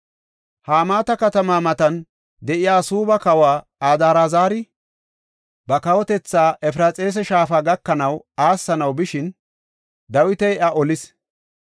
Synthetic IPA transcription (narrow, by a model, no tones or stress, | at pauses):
haːmaːt̪ɐkɐt̪ɐmaːmɐt̪ɐn | d̪ɛʔɪjaːsuːbɐkɐwaː | aːd̪aːɾaːzaːɾɪ | bɐkɐwɔt̪ɛt͡sːaːʔɛf̬ɪɾɐt͡sʼe̞ːs̬ɛʃaːfaːɡɐkːɐnɐw | aːsːɐnɐwbɪʃɪn | d̪ɐwɪt̪ɛjʔɐʔɔlɪs